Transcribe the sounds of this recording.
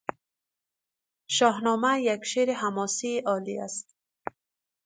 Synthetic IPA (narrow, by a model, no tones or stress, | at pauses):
ʃɒːɦnɒːmajakʃeɾihamɔsiːʔɒːlia̰st̪